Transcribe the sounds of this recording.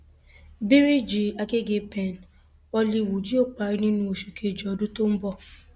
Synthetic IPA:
bi˦ɾi˦d͡ʒi˨a˧ke˦ɡe˧pɛ̃˨n˨ | ɔ˧li˧˨wo˨d͡ʒi˦o˦˨k͡pa˨˧ɾi˧nĩ˦nũ˧o˨ʃu˨kʰe˨d͡ʒɔ˨ɔ˨˧dũ˦to˦m̩˦bɔ˦˧

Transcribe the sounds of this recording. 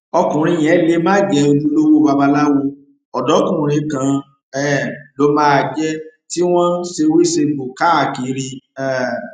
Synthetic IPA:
ɔ˧kũ˨ɾ̃ĩ˧j̃ɛ̃˨˦le˦mã˦˨ɡɛ˧o˧lu˦lo˦wo˦ba˧ba˧la˦wo˧ | ɔ˨dɔ˨˦kũ˦˨ɾ̃ĩ˨˧˦kã˧ | ɛ˦˨lo˨˦mãː˦˧˨d͡ʒɛ˦ti˦w̃ɔ̃˦ʃe˧wi˦se˧bo˨ka˨˦˨ki˨˦ɾi˧ɛ˦

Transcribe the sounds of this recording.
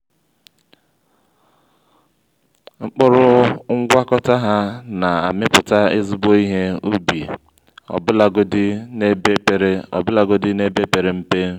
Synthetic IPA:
ŋ͡m̩˦k͡pʊ˦ɾʊ˦ŋ̩˦ɡʷa˦kɔ˦ta˦ɦa˦na˨a̰˨mɪ˦pʊ˨ta˦ɪ˦zʊ˦bo˦i˦ɦe˦u˦bi˨ | ɔ̰˨bla˨ɡdɪ˦ne˦be˦pe˨ɾe˦ɔ̰˨bʊ˦la˨ɡo˦dɪ˦ne˦be˦pe˨ɾe˨m̩˦pe˦

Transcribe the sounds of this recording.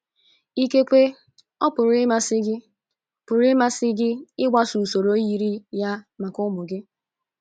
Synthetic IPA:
i˦ke˦kʷe˦ | ɔ˦pʊ˨ɾɪ˦ma˦sɪ˦ɡɪ˦ | pʊ˨ɾɪ˦ma˦sɪ˦ɡɪ˦ɪ˦ɡʷa˦su˨so˨ɾo˦ji˦ɾi˦ja˦ma˨kʊ˦mʊ˨ɡɪ˦

